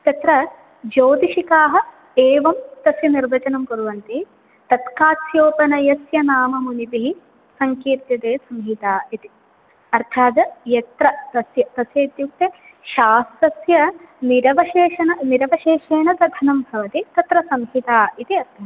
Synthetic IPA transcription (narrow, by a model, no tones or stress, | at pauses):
t̪ɐt̪ɾɐ | d͡ʒoːd̪iʃikaːɦɐ̆ | eːʋɐmt̪ɐsjɐniɾʋɐt͡ʃɐnɐmkɐɾuʋɐnt̪i | t̪ɐt̪kaːsjoːpɐnɐjɐsjɐnaːmɐmunipiɦi | sɐŋkiːɾt̪jɐd̪eːsɐmɦit̪aːit̪i | ɐɾt̪ʰaːd̪ɐjɐt̪ɾɐt̪ɐsjɐt̪ɐsjɐit̪juk̚t̪e | ʃaːst̪ɐsjɐniɾɐʋɐʃeːʃɐnɐniɾɐʋɐʃeːʃeːnɐt̪ɐd̪ʱɐnɐmbʱɐʋɐt̪it̪ɐt̪ɾɐsɐmɦit̪aːit̪iɐɾd̪ʱɐɐ